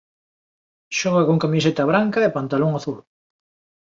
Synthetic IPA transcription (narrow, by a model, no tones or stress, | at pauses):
ʃɔɣɐkoŋkamiset̪aβ̞ɾaŋkaepant̪aloŋaθul